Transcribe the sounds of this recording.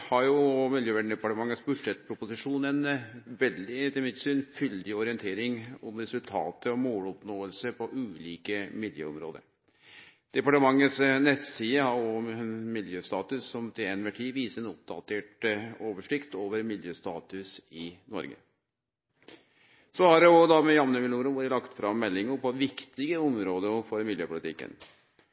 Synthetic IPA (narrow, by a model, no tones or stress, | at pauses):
hɑɾjʊmɪljøːʋæɖɳ̩ɖ̪ɛpɑʈəmɑŋːəsbʉʂɛt̪̚pʰɾʊpʊsɪʂuːnɛnʋɛld̪ɪt̪ɪlmɪt̪syːnfʏld̪ɪɔɾɪɛnt̪ʰeːɾɪŋʊmɾɛsʉlt̪ʰɑ̰ːt̪ʰəɔmoːlɔpnoːəlsəɾpʰɔʔʉːliːkəmɪljø̰ːɔmɾo̰ːd̪ə̰ɾ | d̪̥ɛpɑʈəmɑŋːəsnɛt̪siːəhɑɔmɪljøːst̪ɑːt̪ʉsːɔmt̪ɪɛnmɛʈʰiːʋiːsəɾɛnʊp̚d̪ɑt̪ʰeːʈoːʋəʂɭɪkt̪oːʋəɾmɪljøːst̪ɑ̰ːt̪ʉsɪnɔ̰ɾɡə̰ | sɔhɑɖɛɔd̪ɑmɛjɑmnəmɪluːɾəʋoːɾəlɑkt̪fɾɑmːɛlːɪŋəpʰɔʋɪkt̪ɪɡəɔmɾoːd̪əfɔɾmɪljøːpʊlɪt̪ɪkːə̰n